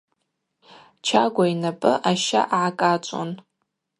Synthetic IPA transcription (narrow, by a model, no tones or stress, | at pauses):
t͡ʃʰaɡʷainapʼɨʔaʃa̰ʔaʕakʼat͡ʃʷʼo̰n